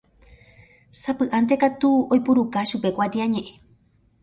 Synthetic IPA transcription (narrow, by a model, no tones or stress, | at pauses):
sapɨʔant̪̬ekat̪uojpuɾukaʃupekʷat̪iaɲẽʔẽ